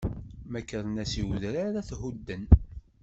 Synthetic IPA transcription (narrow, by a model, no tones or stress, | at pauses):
mækːəɾˤnæsiwðɾaɾaθhud̪ːən